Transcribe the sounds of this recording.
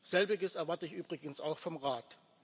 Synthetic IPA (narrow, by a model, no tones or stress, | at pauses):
z̥ɛlbɪɡəsɛɐvaɐtəɪçʔyːbʁɪɡən̩sa̰ʊxfɔmʁaːt